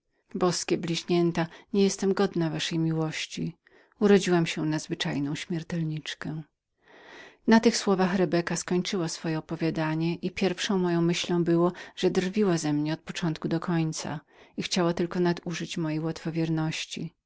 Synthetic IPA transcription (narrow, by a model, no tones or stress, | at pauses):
bɔskʲɛblʲiʑɲɛnt̪aɲɛjɛst̪ɛmɡɔd̪navaʂɛjmʲiwɔɕt͡ɕi | uɾɔd͡ʑiwamɕɛnazvɘt͡ʂajnɔ̃w̃ɕmʲjɛɾt̪ɛlɲit͡ʂkɛ | nat̪ɘxswɔvaxɾɛbɛkaskɔɲt͡ʂɘwasfɔjɛɔpɔvʲjad̪aɲɛʔipʲjɛɾfʂɔ̃w̃mɔjɔ̃w̃mɘɕlɔ̃w̃bɘwɔʐ̥ɛd̪rvʲiwazɛmɲɛɔt̪̚pɔt͡ʂɔnt̪̚kud̪ɔkʰɔɲt̪sa̰ | ixt͡ɕawat̪ɘlkɔnad̪uʐɘt͡ɕmɔjejwat̪fɔvʲjɛɾnɔɕt͡ɕi